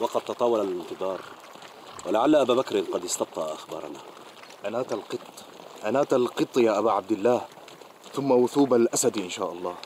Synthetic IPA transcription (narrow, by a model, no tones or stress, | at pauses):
wɑqɑd̪̚t̪ɑt̪ˤɑːwɑlalɪnt̪ɨðˤɑːɾˤ | walaʕalːaʔabaːbakɾnqɑd̪ɪst̪ɑb̚t̪ˤɑʔʔaxbɑ̰ːɾˤɑ̰na̰ | ʔanaːt̪alqɨt̪ˤː | ʔanaːt̪alqɨt̪ˤːjaːʔabaʕab̚d̪ɪlːaːh | θʊmːawʊθuːbalʔasad̪ʔɪnʃaːʔɑlˤːɑː